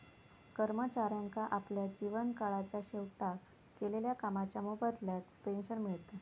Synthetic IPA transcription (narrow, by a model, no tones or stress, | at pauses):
kəɾmət͡ɕaɾjaŋkaʔapljad͡ʑiʋənkaɭat͡ɕaɕewʈa | keleljakamat͡ɕjamubəd̪ljat̪penɕəɾmiɭt̪a